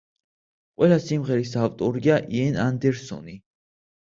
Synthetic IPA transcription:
qʼwɛlasimʁɛɾisavt̪ʼɔɾiaʔiɛnand̪ɛɾsɔ̰ni

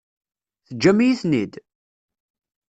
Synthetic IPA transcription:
θəd͡ʒːæmijiθnid̪

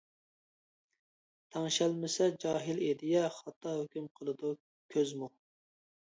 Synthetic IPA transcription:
t̪ʰɑŋʃælmɪsɛd͡ʒɑːɦɪled̪ɪjɛχɑt̪ːɑɦhøkʲymqʰəlˠɨd̪u | kʲʰøzmu

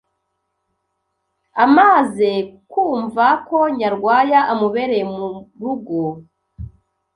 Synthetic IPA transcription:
amaːzekuːɱvako̞ɲaɾɡwaːjaʔamuβe̞ɾemuɾuɡo

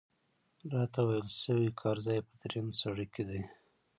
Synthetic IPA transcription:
ɾɑt̪awajəlʃəwikʰɑɾzɑjpəd̪ɾemsaɽəked̪i

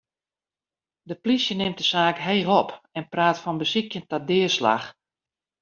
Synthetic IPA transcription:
dəplisjənɪmtəsaːkɦeːɣɔpɛnpraːtfɔnbəsikjəntɔdɪəsla̰x

